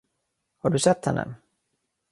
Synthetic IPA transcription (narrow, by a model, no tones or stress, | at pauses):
haɖɵsɛt̪hɛnːʔə̰